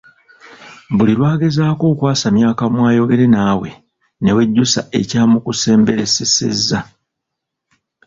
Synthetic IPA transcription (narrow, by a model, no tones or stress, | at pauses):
buliɾwaːɡe̞zaːko̞ːkwaːsamjaːkamwaːjo̞ɡe̞ɾe̞naːwe̞̰ | ne̞we̞ɟːusa̰ʔe̞̰caːmukuse̞ːmbe̞ɾe̞sesḛzːa